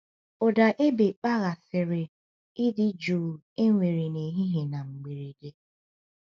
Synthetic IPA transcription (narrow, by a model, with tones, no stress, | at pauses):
ʊ˨da˨ʔe˦be˨k͡pa˦ɣa˨sɪ˨ɾɪ˨ | ɪ˦dɪ˦d͡ʒuː˨ | e˦ŋʷe˨ɾe˨ne˨ɦi˦ɦe˨na˨ŋ͡m̩˨ɡ͡be˨ɾe˨de˦